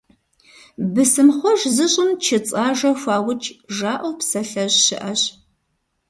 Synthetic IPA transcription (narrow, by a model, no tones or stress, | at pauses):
bɨsɨmχʷɔʒzɨɕʼɪmt͡ʃʰɪt͡sʼaːʒɐxʷɑːwʊt͡ʃʰʼʒaːʔɐwpsɐɬɐʑɕɪʔɐɕ